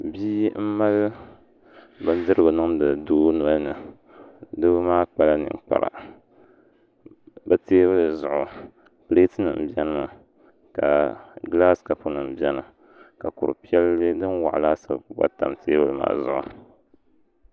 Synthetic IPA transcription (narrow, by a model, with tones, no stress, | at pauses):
biː˦m̩˦ma˦l | ba˨n˦dɨ˦ɾɨ˦bɨ˨nɨ˦ŋm˦dɨ˨duː˦nɔ˦nɨ˨ | dɨ˦bɨ˦maː˦k͡pa˦la˦nɨ̰˨ŋ˨k͡pa̰˨ɾa̰˨ | ba˦teː˦bɨ˦lɨ˨zʊ˨ʔʊ˨ | ple˦tɨ˦nɨ̰˨m̩˨bi˦ɛ˦nɨ˦ma˨ | ka̰˨ɡla˦ska˨pu˦nɨ˨m̩˨bɛ˦nɨ˨ | ka˨kʊ˨ɾɨ̰˨pi˦ɛ˦lːɨ˦dɨ˦nwa̰˨ʔla˦sa̰˨˦ba̰˦ta˨mtʰeː˦bɨ˦lɨ˦ma̰ː˨zʊ̰˨ʔʊ̰˨